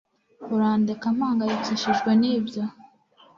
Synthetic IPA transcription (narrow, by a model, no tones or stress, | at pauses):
uɾaːndekam̥haːŋɡajiciʃiʒɡwe̞niːbjo